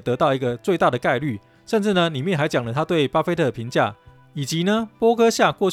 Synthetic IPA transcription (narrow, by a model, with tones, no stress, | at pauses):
t̪ɤ˧˥t̪ɑ˥˩ʊi˧˥ɡə˧t͡swe˥˧ɪt̪a˥˩d̪ə˩ka˥˧ɪly˥˩ | ʂə˥˧nʈ͡ʂɻ̩˥˩nə˩li˨˩mjɛ˥˨nxa˧˥ɪt͡ɕjɑ˨˩ŋlə˦t̪ʰa˥t̪we˥˩ɪpa˥fe˥ɪt̪ʰɤ˥˩d̪əpʰi˧˥˦ŋt͡ɕja̰˥˩ | i˨˩t͡ɕi˧˥nə˧pwɔ˥kʰɤ˥ɕja˥˧kwɔ˥˧t͡ɕ